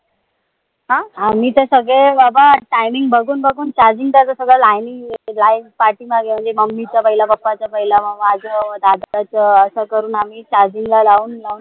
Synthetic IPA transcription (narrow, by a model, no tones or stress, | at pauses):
ɦãam̤iːt̪əsəɡɭẽbabaʈajmiŋɡbʱəɡuːnbʱəɡuːnt͡ɕaɾd͡ʑiŋt̪at̪əsəɡɭalajniŋlajnpaɾʈiːmaɡem̤əɳnd͡zeməmːit͡ɕapəɦilabəpːat͡sapəɦilaməad͡zəəd̪ad̪at͡səəsəkəɾuːnamiːt͡ɕaɾd͡ʑiŋɡlalauːnlaun